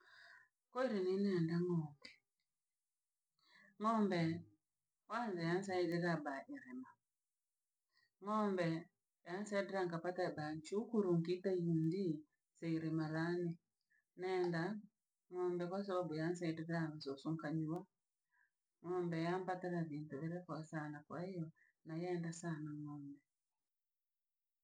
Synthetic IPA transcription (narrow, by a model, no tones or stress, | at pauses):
kɔiɾininɛndaŋɔːmbɛ | ɔmbɛ | wanzajan̩s̬aidɛɾabaʔiɾɛma | ŋɔmbɛ | jansaidɛɾaŋkapatabaɲt͡ʃukuɾuŋkitajindi | sɛiɾɛmaɾani | nɛnda | ŋɔmbɛkwas̬aβabujansaidiɾaβasɔsuŋkaɲuwa | ŋɔmbɛjampataɾaβintuβɛɾɛkɔsanakwaijɔ | najɛndasanaŋɔmbɛ